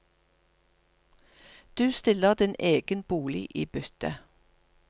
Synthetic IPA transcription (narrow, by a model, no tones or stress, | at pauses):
d̪̥ʉːst̪ɪləʁd̪ɪneːɡ̥ənb̥uːlɪʔiːbʏt̪ə̰